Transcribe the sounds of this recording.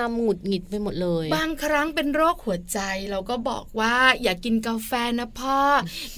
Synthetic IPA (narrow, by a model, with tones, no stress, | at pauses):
a˧mŋu˨˩t̪̚ŋi˨˩t̪̚pa˧jmo˨˩t̪̚lɤː˧jbaː˧ŋkʰɾa˦˥ŋpe˧nɾoː˥˩k̚hu˨˩˦ɐt͡ɕa˧jɾa˧wkɔː˥˩bɔ̰ː˨˩k̚waː˥˩jaː˨˩kːi˧nkaː˧fɛː˧na˦˥pʰɔː˥˩